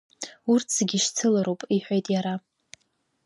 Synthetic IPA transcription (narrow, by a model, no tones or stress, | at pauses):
urtt͡sʰɡʲiʃt͡sʰɨlaɾowpʼiħʷᶣejtʼjaɾa